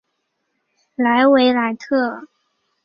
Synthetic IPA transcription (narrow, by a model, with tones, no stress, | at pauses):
la˧˥ɪwe˧˥ɪla˧˥ɪt̪ʰɤ˥˩